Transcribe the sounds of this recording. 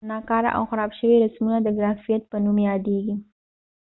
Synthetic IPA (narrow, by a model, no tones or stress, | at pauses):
nɑkɑɾa̰ʔa̰wxaɾɑbʃəwiɾasmunad̪əɡɾafijat̪̚pənumjɑd̪eɡi